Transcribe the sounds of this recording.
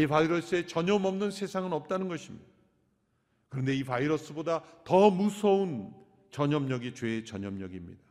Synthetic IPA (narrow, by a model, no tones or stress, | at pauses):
ipaiɾʌs͈ɯe̞t͡ɕʌɲʌmʌmnɯnsʰe̞sʰaŋɯnʌp̚t͈anɯnɡʌɕʰimɲida | kɯɾʌnde̞ipaiɾʌs͈ɯbodatʌmusʰʌun | t͡ɕʌɲʌmɲʌɡit͡ɕwe̞t͡ɕʌɲʌmɲʌɡimɲḭda